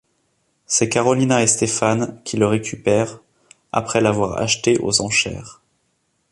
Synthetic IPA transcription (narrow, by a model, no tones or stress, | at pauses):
sɛkaʁɔlinaest̪efankʲʰiləʁekʲypɛːʁ | a̰pχɛlavwaʁa̰ʃt̪eʔo̰zɑ̃ʃɛ̰ːʁ